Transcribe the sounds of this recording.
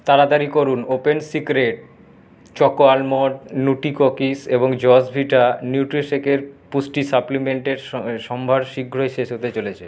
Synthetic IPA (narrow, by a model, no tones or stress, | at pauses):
t̪aɾad̪aɾikoɾunopensikɾeʈ̚ | t͡ɕɔkoalmoɖnuʈikokiseboŋd͡ʑɔsbʱiʈanjuʈɾiʃekeɾpusʈisaplimeɳʈeɾʃɔmbʱaɾʃiɡʱɾoeʃeʃot̪et͡ɕolet͡ɕʰe